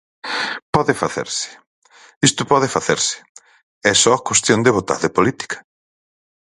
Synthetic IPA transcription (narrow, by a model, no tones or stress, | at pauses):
pɔðɪfaθḛɾsɪ̥ | ist̪ʊpɔðɪfaθeɾsɪ̥ | ɛsɔkwest̪jond̪eβot̪a̰ɾðepolit̪i̥kɐ̥